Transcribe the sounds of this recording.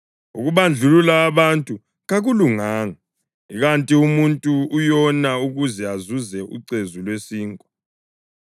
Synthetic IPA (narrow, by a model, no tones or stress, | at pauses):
ṵɣuβand͡ɮʱululaːβantʼu | ɣaɣuluŋaːŋa | iɣantʼiumuntʼuːjɔnauɣuzɛazuzɛʔṵǀezulwesiːŋkʼɔ